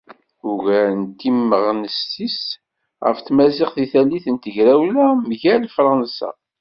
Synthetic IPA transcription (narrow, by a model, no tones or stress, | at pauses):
ʊʝænt̪ːimːəʁnəstis | ʁə̰fθmæzɪqθiθælːiθənt̪əʝɾæwlæmʝælfɾˤɑnsa̰